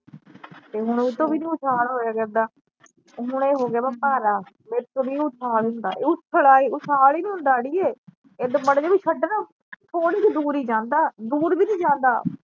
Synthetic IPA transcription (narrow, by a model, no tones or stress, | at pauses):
t̪eːɦʊɳet̪õːʋiːnĩːʊsʰaːlɦoːjaːkəɾd̪aː | ɦʊɳeːɦoːɡɪaːbəpaːɾaː | meːɾt̪õːʋiːʊsʰaːlɦʊ̃nd̪a̰ːeːʊtʰːəlaːiːʊsʰaːliːnĩːɦʊ̃nd̪aːɽiːeː | eːd̪eməɽd͡ʒaːbiːʃʰəɖnaː | t̪ʰoːɽiːt͡ʃed̪uːɾiːd͡ʒãːnd̪aːd̪uːɾbiːnĩːd͡ʒãːnd̪aː